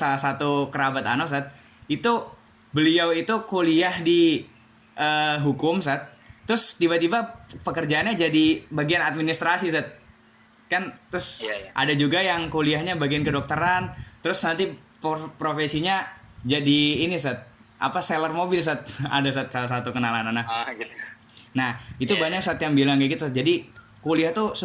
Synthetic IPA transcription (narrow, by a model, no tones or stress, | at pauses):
salahsat̪ukəɾabat̪a̰nos̬at̪̚ | it̪u | bəliawit̪ukoliahdi | ʔəɦukʊmsat̪̚ː | əɾʊst̪ibat̪ibapəkərd͡ʒaanɲad͡ʒadibaɡianat̪̚minist̪ɾasisat̪̚ | kant̪ːɾʊsʔa̰dad͡ʒuɡajaŋkoliahɲabaɡiankədɔk̚t̪əɾant̪əɾʊsnant̪ipopɾofesiɲad͡ʒadiːnis̬at̪̚ | ʔa̰paselərmobɪls̬at̪̚a̰das̬at̪salahs̬at̪ukənalanana | nahit̪ubaɲaksaːt̪jaŋbilaŋɡaɡit̪uat̪̚d͡ʒadi | koliaht̪us